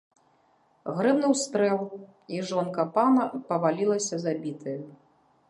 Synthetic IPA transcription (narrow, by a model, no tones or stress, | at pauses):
ɣɾɨbnɨwst̪ɾɛlˠ | iʐɔnkɐpanɐpɐvalʲilˠɐsʲɐzabʲit̪ʰɨjɐ